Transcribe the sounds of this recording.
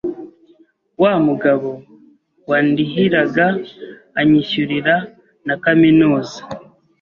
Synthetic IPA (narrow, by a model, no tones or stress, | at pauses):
wamuɡaβo̞ | waːndiɦiɾaɡaː | ɲiçuɾiɾa | nakaminuːza